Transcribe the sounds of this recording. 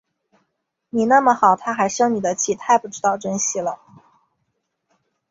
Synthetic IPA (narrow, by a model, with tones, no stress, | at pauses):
ni˨˩na˥˩mə˩xɑ˨˩ʊt̪ʰa˥xa˧˥ɪɕjɑ˥ŋni˨˩d̪ə˦t͡ɕʰi˥˩t̪ʰa˥˧ɪpu˥˩ʈ͡ʂɻ̩˥t̪ɑ˥˩ʊʈ͡ʂə˥nɕi˥˩lə˩